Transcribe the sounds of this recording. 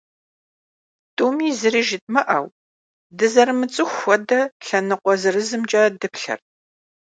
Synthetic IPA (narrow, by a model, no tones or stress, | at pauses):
tʼumiːzɨriʒɪt̚ʼmɨʔɐw | dɨzɐrɨmɨt͡sʼɨxʷɔdɐɬɐnɨqʷɔzɨrɨzɨmt͡ʃʼaːdɨpɬɐ̰r